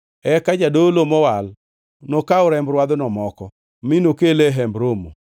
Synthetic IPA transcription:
ɛkad͡ʒadolomɔwal | nokaʊɾɛmbɾwad̪nɔmɔkɔ | minokeleɦɛmbɾomo̰

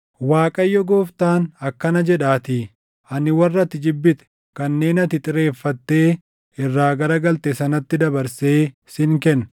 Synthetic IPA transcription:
waːkʼɐjːɔɡo̞ːft̪aːnɐkːɐnɐd͡ʒɛᶑaːt̪iː | ɐnɪwɐrːɐt̪ːɪd͡ʒɪbːɪt̪ɛ̥ | kɐnːe̞ːnɐt̪ɪt̪ʼɪɾe̞ːfːɐt̪ːe̞ː | ɪrːaːɡɐɾɐɡɐlt̪ɛsɐnɐt̪ːɪd̪ɐbɐɾse̞ː | sɪŋkɛnː

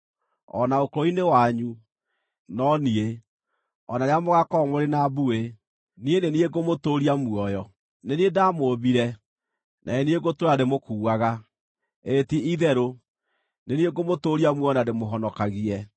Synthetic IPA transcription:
ɔ̰naokoɾoinewaɲu | nɔnie | ɔnaɾeamoɣakɔmoɾenaβue | nienenieɡomotoɾiamwɔjɔ | neniedamoβiɾɛ | nʔa̰enieɡotoɾademokuːaɣa | etiiðɛɾo | nenieɡomotoːɾiamwɔnademoɦɔnɔkaɣiɛ

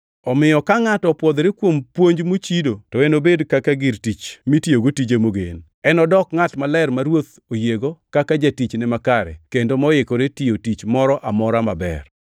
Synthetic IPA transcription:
ɔmɪjɔkaŋatɔpwɔd̪ɾekwompwoɲd͡ʒmot͡ʃidotɔenobedkakaɡɪɾtit͡ʃmitjoɡotid͡ʒemoɡḛn | ɛnɔdɔkŋatmalɛrmaɾwot̪ | ojeɡokakad͡ʒatit͡ʃnɪmakaɾɛ̰kendomɔɪkoɾetiotit͡ʃmɔɾɔʔamɔɾama̰bɛ̰r

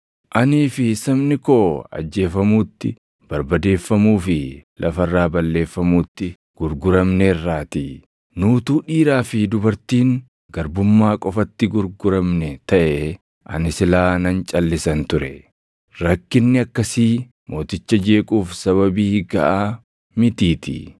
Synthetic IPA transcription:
ʔɐniːfɪsɐmnɪko̞ːɐ̰d͡ʒːe̞ːfɐmuːt̪ːɪ | b̥ɐɾbɐd̪e̞ːfːɐmuːfɪlʔɐfɐrːaːbɐlːe̞ːfːɐmuːt̪ːɪ | ɡ̥ʊɾɡʊɾɐmnɛrːaːt̪i | nuːt̪uːᶑiːɾaːfɪd̪ʊbɐɾt̪iːŋ | ɡɐɾbʊmːaːkʼɔfɐt̪ːɪɡʊɾɡʊɾɐmnɛt̪ɐʔɛ | ʔɐ̰nɪsɪlaːnɐnt͡ʃʼɐlːɪsɐnt̪ʊɾɛ | ɾɐkːɪnːɪɐkːɐsiː | mʔo̞ːt̪ɪt͡ʃːɐd͡ʒe̞ːkʼuːfsɐβɐbiːɡɐʔaː | mɪt̪iːt̪ɪ̰

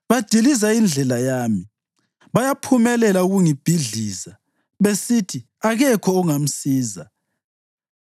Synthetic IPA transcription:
βad̥ʱilizaind͡ɮʱɛlajaːmi | βajapʰumɛlɛlauɣuŋib̥ʱiɮiːza | βesitʰi | aɣɛkʰɔːŋam̩siːza

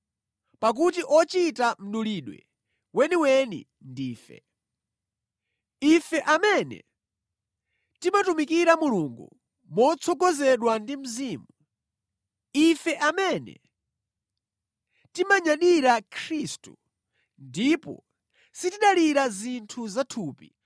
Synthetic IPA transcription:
pak̬ut̬iʔɔt͡ʃitam̩ɗuliɗwɛ̰ | wɛniwɛnḭ | ndiːfɛ̰ | ifɛʔamɛnɛ̰ | timatumikiɾamuluŋɡṵ | mɔt͡sʰɔɡɔzɛɗwandim̩ziːmu | ifɛʔamɛnɛ̰ | timaɲaɗiɾakʰɾistṵ | ndipɔ̰ | sitiɗaliɾazintʰuzatʰuːpi

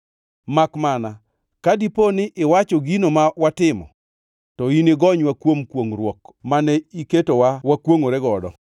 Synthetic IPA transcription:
makmana | kadiponɪʔɪwat͡ʃɔɡinomawatɪmɔ̰ | tɔineɡɔɲwakwomkwoŋɾwɔkmanɛiketowawakwoŋoɾɛɡɔdɔ

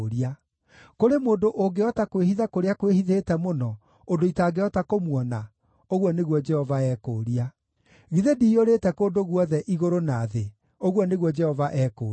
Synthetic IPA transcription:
ɾia | koɾemoːndoʔoŋɡeɔtakwehiðakoɾeakwehiðetɛmonɔ | odoitaːɡeɔtakomwɔna | oɣwɔneɣwɔd͡ʒɛhɔvaɛːkoːɾia | ɣiðedioɾetɛkoːndoɣwɔðɛʔiɣoɾonaðe | oɣwɔneɣwɔd͡ʒɛhɔvaʔɛko

